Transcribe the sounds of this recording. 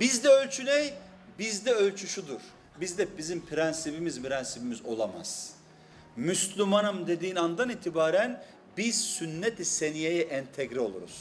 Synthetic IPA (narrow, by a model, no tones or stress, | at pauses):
bizd̪ɛølʲt͡ʃʰynɛj | bizd̪ɛølʲt͡ʃʰyʃud̪uɾ̥ | bizd̪ɛbizimpʰiɾɛnsibimizpiɾɛnsibimizo̞̰lˠama̰z̥ | myslʲymanɯmd̪e̞d̪iːnand̪aniːt̪ʰibaːɾæn | biz̥synːet̪ʰisenijejɛʔɛnt̪ʰɛɡɾio̞lˠṵɾṵz̥